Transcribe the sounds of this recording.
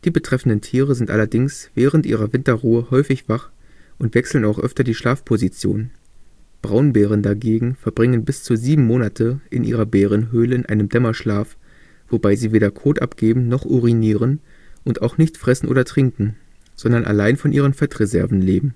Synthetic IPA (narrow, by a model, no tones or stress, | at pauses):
d̥iːbətʁ̥ɛfn̩dəntʰiːʁəzɪntʔa̰lɐdɪŋsv̥ɛːʁəntʔḭːʁɐvɪntɐʁuːəhɔʏfɪçv̥aχʔʊntv̥ɛksl̩naʊxʔœ̰ftɐdiːʃlaːfpʰozit͡sjo̰ːn | b̥ʁaʊnbɛːʁəndaɡeːɡŋ̩fɛɐbʁɪŋənbɪst͡suːziːbm̩moːnatʰəʔɪnʔḭːʁɐbɛːʁ̞ənɦøːləɪnʔaɪnəmdɛmɐʃlaːf | v̥obaɪziːveːdɐkʰoːtʔa̰pɡ̥eːbm̩nɔχʔuʁiniːʁən | ʔʊntaʊxnɪçtfʁ̥ɛsn̩ʔo̰ːdɐtʁ̥ɪŋkŋ̩ | z̥ɔndɐnʔa̰laɪnfɔnʔiːʁ̞ənfɛtʁezɛ̰ɐvn̩leːbm̩